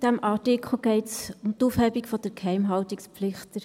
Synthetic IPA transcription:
d̥æmʔɑːtɪkχl̩ˠɡ̥ɛɪtsʊmtufhɛbikfɔd̥əɾkhɛɪmɦɑltikspflɪχtəɾ

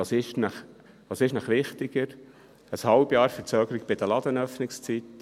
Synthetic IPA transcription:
ɑsɪʃnɑχ | ʋɑːsɪʃnɑχʋɪχt̪ɪɡ̥əɾ | əshɑlbjɑːɾfəɾt͡søːɡəɾɪkb̥ɪd̥̪əlɑd̪ənœfnɪkst͡sit

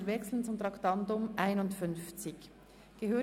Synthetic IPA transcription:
ɾvɛksl̩ən̩t͡sʊmtʁɑktɑntʊmʔaɪnʊntfʏnft͡sɪç | ɡ̥əɦøː

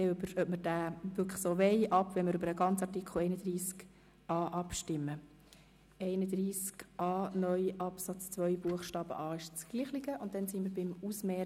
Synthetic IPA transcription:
ɛøbəɾœpməɾd̥æːʋʏkʰsoːʋɛɪʔɑpʋɛnməɾʏbəɾəɡɑnt͡sɑrtikʰl̩ɛɪnəd̥̪riːsk | ɑːʔɑpʃtɪmːə | ɛɪnəd̪ɾiːskʔɑːnœʏʔɑpsɑt͡st͡sʋœʏbuəχʃtɑːb̥ə̰ʔɑːɪʃt͡sɡ̥liːχliɡəʔʊnt̚dɛnsiməɾbɪmusmɛː

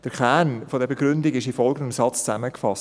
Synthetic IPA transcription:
d̥əkɛnfodɛɾbeɡɾʏndiɡɪʃifɔlˠɡəndəmsɑt͡st͡sæməkfɑs

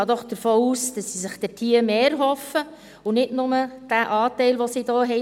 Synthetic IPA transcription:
ɑːd̪ɔχd̥̪əɾfoːuːsd̥ɑsːisɪχd̥ɛtʰiːəɾmeːɾɦɔfə | ʊnɪdnʊməd̥æʔɑːtɛɪlʋosid̥ɔːɦɛ

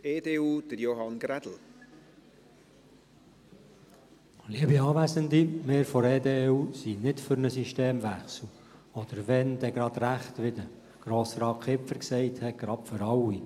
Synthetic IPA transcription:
eːdeːuːd̥əɾjoɦɑnɡ̥ɾæd̥̪l̩ | liəbiɑːʋæzənd̪imeːɾfɔɾeːd̪eːusinɪtfʏɾnəsiʃteːmʋæχsl̩ | ɔd̥̪əɾʋɛnd̥̪ɛɡɾɑd̪̥ɾæχtʋɪd̪ə | ɡ̥ɾoːsɾɑːkχɪpfəɾksɛɪt̪hɛɡ̥ɾɑpføɾɑwːi

